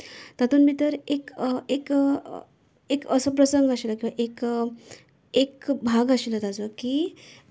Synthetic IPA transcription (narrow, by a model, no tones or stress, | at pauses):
t̪at̪uːnmiːt̪əɾekek | ekəsəpɾəsəŋɡaɕelək̬ĩʋaʔek | ekbʱaɡaɕilət̪ad͡zəkiː